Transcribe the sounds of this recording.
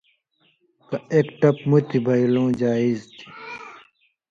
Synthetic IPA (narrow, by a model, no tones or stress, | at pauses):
kɐeːkʈɐpmut̪ʰibʱɐilõːd͡ʑaːizt̪ʰi̥